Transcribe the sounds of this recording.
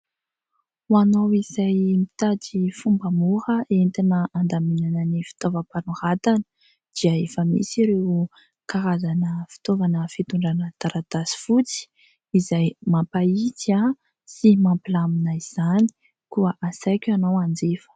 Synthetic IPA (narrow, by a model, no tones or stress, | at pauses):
wanawiz̥ajmit̪adifumbamuɾəʔent̪anəʔand̪aminanənifi̥t̪ovəpanuhat̪anə̥ | d̪̥iəefəmḭsiɾew | kaɾazanəfi̥t̪ovanəfit̪uɳɖ͡ʐanət̪aɾat̪asi̥fut͡si̥ | izajmampaita | simampilaminaiz̥ani̥ | kuəʔasajkʲanawand͡zefə̥